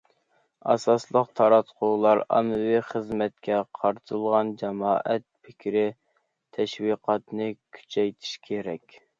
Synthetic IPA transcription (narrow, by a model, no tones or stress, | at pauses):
ɑ̰sɑslˠəqt̪ʰɑɾɑt̪qʰʊwlˠɑɾɑ̰nɨwiχəzmɛt̪̚kʲʰɛqʰɑɾt̪ʰɨlˠʁɑnd͡ʒɛmɑːʔɛt̪̚pʰɪkʲʰɾɪ | t̪ʰɛʃwiqʰɑt̪nɨkʲʰy̥t͡ʃʰɛjt̪ʰi̥ʃkʲʰeɾɛkʲ